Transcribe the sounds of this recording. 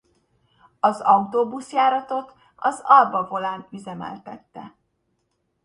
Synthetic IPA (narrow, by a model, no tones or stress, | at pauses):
ɒzɒut̪oːbusjaːɾɒt̪o̞t̪ | ɒzɒlbɒvo̞laːnyzɛmɛ̰lt̪ɛt̪ːɛ̰